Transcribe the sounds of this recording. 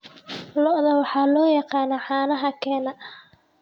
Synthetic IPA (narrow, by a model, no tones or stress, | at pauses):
lɔʔðɐwɑħɑːlɔːjɑqɑːnaħɑːnɐɦɐkʰɛːnɐ